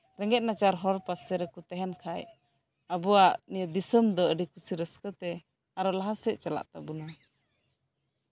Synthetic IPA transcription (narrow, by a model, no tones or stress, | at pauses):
ɾɛŋɡɛt̪̚nat͡ʃaɾɦɔɾpasɛɾɛkut̪ɛɦɛnkʰaj | abuaʔnijəd̪isəmd̪ɔəɖikusiɾəskət̪ɛ | aɾɔlaɦasɛʔt͡ʃala̰ʔt̪abuna